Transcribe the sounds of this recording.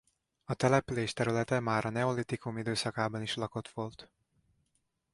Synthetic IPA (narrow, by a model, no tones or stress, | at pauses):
ɒt̪ɛlɛpyleːʃt̪ɛɾylɛt̪ɛmaːɾɒnɛo̞lit̪ikumid̪øːsɒkaːbɒniʃlɒko̞t̪ʋo̞lt̪